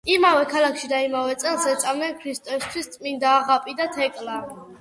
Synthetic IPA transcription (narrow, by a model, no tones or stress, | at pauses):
imavɛkʰalakʰʃid̪aimavɛt̪sʼɛlˠsɛt̪sʼavnɛnkʰɾist̪ʼɛst̪ʰwist̪sʼmind̪aːʁapʼid̪at̪ʰɛkʼla